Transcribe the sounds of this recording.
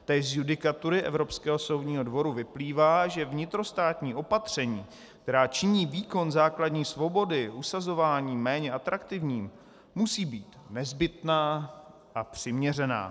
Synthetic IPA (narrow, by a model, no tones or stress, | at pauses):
t̪ɛːzjudɪkat̪uɾɪʔɛ̰vɾo̞pskɛːɦo̞so̞wdɲiːɦo̞dvo̞ɾuvɪpliːvaːʒɛvɲɪt̪ɾo̞st̪aːt̪ɲiːʔo̞pat̪r̝̥ɛɲiː | kt̪ɛɾaːt͡ʃɪɲiːviːko̞nzaːkladɲiːsvo̞bo̞dɪʔusazo̞vaːɲiːmɛːɲɛʔat̪ɾakt̪ɪvɲiːm | musiːbiːt̪nɛzbɪt̪naː | ʔapr̝̥ɪmɲɛrɛna̰ː